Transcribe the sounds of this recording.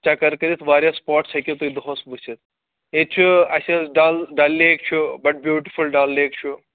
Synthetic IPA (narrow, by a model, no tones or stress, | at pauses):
t͡ʃakɐɾkɐɾit̪ʰʋaːɾʲjaspɔːʈsʰɐkʲet̪uid̪oɦosbusʰit̪̚ʰ | et͡ʃʰuaselɖalɖalːiek̚t͡ʃʰubɐʈ̚bjuːʈi̥fulɖaːlːeːk̚t͡ʃʰu